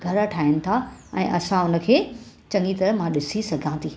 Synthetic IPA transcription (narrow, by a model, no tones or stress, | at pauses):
ɡʱɐɾɐʈʰaːɪnɪ̆t̪ʰaɛ̰̃ːʔɐsãʊnə̆kʰeːt͡ɕɐ̃ŋɡit̪ɐɾmãɗɪsisɐɡʱãːnd̪iː